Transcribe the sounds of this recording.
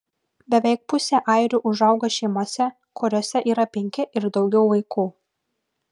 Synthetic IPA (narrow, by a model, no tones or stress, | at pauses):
bʲɛʋʲɛɪk̚pʊsʲeːʔɐɪɾʲuʔʊʒɐʊɡɐʃʲɛɪmoːsʲɛ | kʰɔɾʲoːsʲɛʔiːɾɐpʲɛŋʲkʲɪʔɪɾd̪ɒʊɡʲɛʊʋɐɪkuː